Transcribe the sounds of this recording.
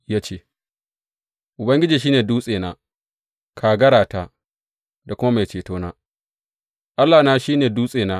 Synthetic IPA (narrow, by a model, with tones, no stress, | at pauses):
jaː˦t͡ʃeː˦˨ | ʔʊ˨bɐ˦ŋɡʲɪ˦d͡ʒiː˨ʃ̬iː˦neː˨duː˦sʼeː˨naː˦ | kʰaː˨ɡɐ˦ɽaː˨ta˦ | da˨kʷʊ˦ma˦ma˨t͡ʃeː˨toː˦naː˦ | ʔa˦lːaː˨naː˦ʃiː˦neː˨duː˦sʼeː˨naː˦